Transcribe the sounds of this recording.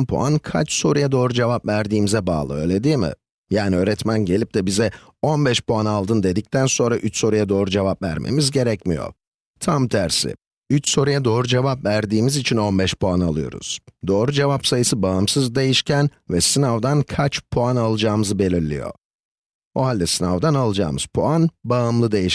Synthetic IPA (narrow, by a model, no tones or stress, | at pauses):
mpʰṵa̰nkʰa̰t͡ʃso̞ɾujad̪o̞ːɾud͡ʒe̞vapvæɾd̪iːmizɛba̰ːlˠɯ̰ø̞ːlʲe̞d̪iːmɪ̰ | jaːniø̞ːɾɛt̪mænɟe̞lʲip̚d̪ɛbizɛ | o̞nbɛʃpuanalˠd̪ɯnd̪e̞d̪ic̚t̪ʰænso̞nɾaʔyt͡ʃso̞ɾujad̪o̞ːɾud͡ʒe̞vapvæ̰ɾmʔḛmizɟe̞ɾɛcmḭjo̰ | t̪ʰamt̪ʰæɾsɪ̰ | yt͡ʃso̞ɾujad̪o̞ːɾud͡ʒe̞vapvæɾd̪iːmizit͡ʃʰino̞nbɛʃpuanalˠɯjo̞̰ɾṵz̥d̪o̞ːɾud͡ʒe̞vapsajɯsɯbaɯmsɯzd̪e̞jiʃcʰænvɛsɯnavd̪ankʰat͡ʃpʰuanalˠɯd͡ʒaːmɯzɯbe̞lʲiɾlʲḭjo̞̰ | oɦalʲːɛsɯnavd̪analˠɯd͡ʒa̰ːmɯz̥pʰuanbaɯmlˠɯd̪e̞jiʃ